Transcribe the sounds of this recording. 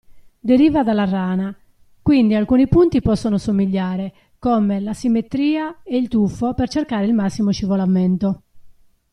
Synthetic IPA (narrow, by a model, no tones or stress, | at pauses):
d̪eɾiːvad̪alːarːaːna | kwind̪ialkunipunt̪ipɔsːonosomiʎːaːɾe | komelasimːet̪ɾiːaeilt̪ufːopert͡ʃerkaːɾeilmasːimoʃivolament̪o